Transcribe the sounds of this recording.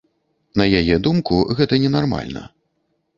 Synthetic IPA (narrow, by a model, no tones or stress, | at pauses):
nɐjajɛd̪umkuɣɛt̪ɐnʲɛnarma̰lʲnɐ̰